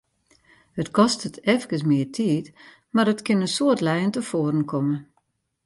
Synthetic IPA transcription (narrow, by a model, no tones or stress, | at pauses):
hətkʰɔstətʰɛfkəsmɪətʰiːt | marətkɪnəsoətlɛjəntəfoəɾənkʰɔmə